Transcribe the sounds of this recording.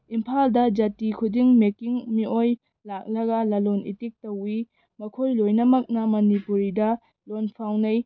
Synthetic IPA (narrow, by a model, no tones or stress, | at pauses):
impʰaldɐd͡ʒɐtikʰudiŋmekiŋmiʔoj | lak̚lɐɡɐlɐlonḭtik̚tɐwi | mɐkʰojlojnɐmɐk̚nɐmɐnipuɾidɐ | lonpʰawnɐj